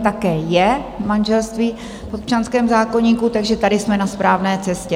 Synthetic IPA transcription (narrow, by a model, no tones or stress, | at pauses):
t̪akɛːjɛmanʒɛlst̪viː | fopt͡ʃanskɛːmzaːko̞ɲiːkut̪aɡʒɛt̪adɪsmɛnaspɾaːvnɛːt͡sɛscɛ